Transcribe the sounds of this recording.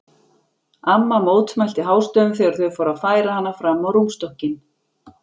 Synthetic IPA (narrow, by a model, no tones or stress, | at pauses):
amːamoːwt̪smajlt̪ɪɦaːwst̪œːʏmθɛɣaɾ̥θœɥfɔːɾaðfaːjɾahanːafɾamːawɾumst̪ɔhcɪn